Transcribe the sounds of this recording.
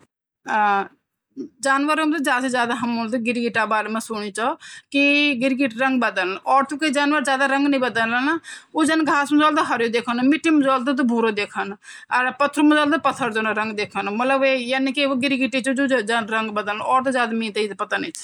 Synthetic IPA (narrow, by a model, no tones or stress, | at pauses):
a | d͡ʒaːnʋəɾomt̪ed͡ʒaːsed͡ʒjaːd̪aːɦəmoːlt̪eɡɪɾɡɪʈaːbaːɾmɛ̃sʊɳ̃iːt͡ʃɔːkɪɡɪɾɡɪʈɾəŋɡbəd̪əlnɔːɾt̪uked͡ʒaːnʋəɾd͡ʒjaːd̪aːɾəŋɡnəĩːbəd̪əllnaoːd͡ʒaːnɡʱaːsməd͡ʒaːld̪aɦəɾjoːd̪eːkʰənmɪʈʰːiːmʊd͡ʒaːlt̪ot̪̬obʱuːɾoːd̪eːkʰənəɾpət̪ʰːəɾoməd͡ʒaːld̪pət̪ʰːəɾd͡ʒoːnaɾəŋɡd̪eːkʰənmət̪ləbeːjanikeoːɡɪɾɡɪʈit͡ʃod͡ʒoːd͡ʒanɾəŋɡbəd̪əlnɔːɾt̪ːd͡ʒjaːd̪aːmĩːt̪ːiːt̪pət̪aːnit͡ʃ